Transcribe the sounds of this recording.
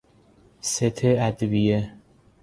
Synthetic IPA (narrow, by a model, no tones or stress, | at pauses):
set̪ʰeæd̪vije